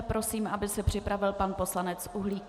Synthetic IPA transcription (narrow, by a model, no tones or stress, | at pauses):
pɾo̞siːmʔabɪsɛpr̝̥ɪpɾavɪlpanpo̞slanɛt͡sʔuɦliː